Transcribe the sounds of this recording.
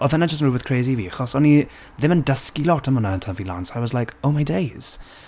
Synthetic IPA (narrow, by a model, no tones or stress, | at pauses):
əðə̃naɪd͡ʒəsnɹuwɪð̥kʰɹ̥eɪzivixɔsoni | ðɪ̃mə̃ndəskilɔtə̃mə̃nəəntʰə̃nvilã̰nsaɪwɒzlaɪkoʊmaɪdeɪz̥